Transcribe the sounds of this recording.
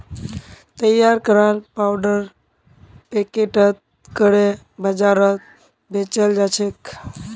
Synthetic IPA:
t̪əjaɾkəɾalpawɖəɾ | pekeʈət̪̚ | kəɾe | bəd͡ʒaɾət̪̚ | bʱet͡ʃəld͡ʒat͡ʃʰek

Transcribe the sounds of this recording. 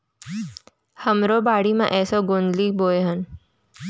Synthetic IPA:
həmɾobaːɽimã̰ʔɛːsoɡonliːboːeɦən

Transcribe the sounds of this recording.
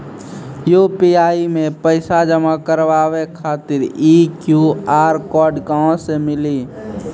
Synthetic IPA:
juːpiaːimẽpəɪsad͡ʒəmakəɾʋaːwekʰaːt̪ɪɾiːkjuaːɾkɔːɾɖkaõsemɪliː

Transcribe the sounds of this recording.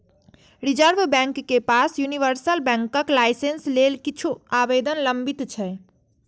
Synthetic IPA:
ɾid͡ʒəɾbʱbɛ̃ŋkːepasjuniʋəɾsəlbɛ̃ŋkəklajsenslelkit͡ʃʰuabed̪ənləmbit̪t͡ʃʰɛ

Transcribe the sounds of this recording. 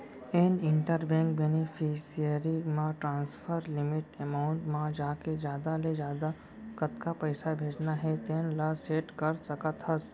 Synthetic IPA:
eːnɪ̃ɳʈəɾbɛ̃ːŋk̚benifʰisijəɾimãʈɾãːnspʰəɾlɪmɪʈemaːʊ̃ɳʈmãd͡ʒaːked͡ʒjaːd̪aled͡ʒjaːd̪a | kət̪kapəɪsabʱeːd͡ʒnaɦɛt̪eːnləseːʈkəɾsəkət̪ɦəs

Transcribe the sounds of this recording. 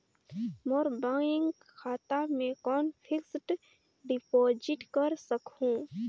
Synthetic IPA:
moːɾbaːɪŋɡ | kʰaːt̪amẽkɔːnpʰɪksʈ | ɖɪpoːd͡ʒɪʈkəɾsəkũ

